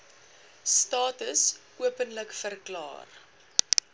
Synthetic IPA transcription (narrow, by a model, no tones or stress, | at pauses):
stɑːtəs | uəpənləkfərklɑ̰ːr